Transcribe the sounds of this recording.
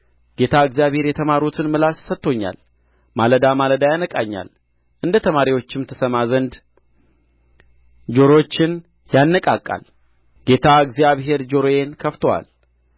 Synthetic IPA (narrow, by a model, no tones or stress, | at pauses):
ɡ̥e̞t̪ʰaɨɡzjaβhe̞ɾjɛt̪ʰəmaɾut̪ʰɨnmɨlasːət̪ːo̞ɲːa̰l | maləd̪amaləd̪ajanəkʼaɲːa̰l | ʔɨnd̪ət̪ʰəmaɾiwo̞t͡ʃːɪmt̪ʰəsəmazənd̪ | d͡ʒo̞ɾo̞t͡ʃːɪn | janːəkʼakʼːa̰l | ɡ̥e̞t̪ʰaɨɡzijaβɦe̞ɾd͡ʒo̞ɾoje̞nkʰəft̪ʰəwa̰l